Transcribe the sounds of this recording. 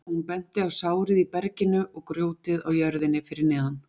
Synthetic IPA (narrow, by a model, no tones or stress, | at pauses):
hunpɛn̥t̪ɪawsaːwɾɪðipɛɾcɪnʏʔɔɣkɾjoːwt̪ɪðawjœɾðɪnːɪfɪɾɪɾnɛːðan